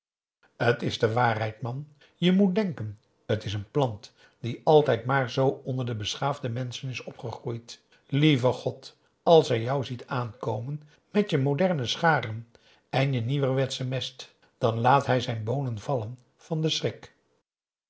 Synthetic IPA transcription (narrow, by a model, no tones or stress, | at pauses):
ətɪzdəʋaːrɦɛjt̚mɑn | jəmut̚dɛŋkən | ətɪsənplɑnt | d̥iʔɑlˠtɛjtmaːɹzowɔndəɹdəbəsχaːvdəmɛnsənɪsɔpχəχrujt | livəχɔt | ɑlˠsɦɛjjɑwzitʰaːnkowmən | mɛtjəmodɛɹnəsχaːrən | ɛnjəniʋərʋɛtsəmɛst | d̥ɑnlaːtɦɛjzɛjnbownənvɑlən | v̥ɑndəsrɪk